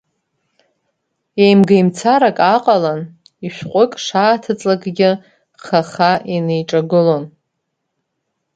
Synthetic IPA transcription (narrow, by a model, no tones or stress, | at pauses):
ejmɡejmt͡sʰaɾakʼaqʼalan | iʃʷᶣqʷʼʊkʼʂaːtʰɨt͡sʼlakʼɡʲɪ | χaχaʔinejʈ͡ʂʼaɡɨlo̞n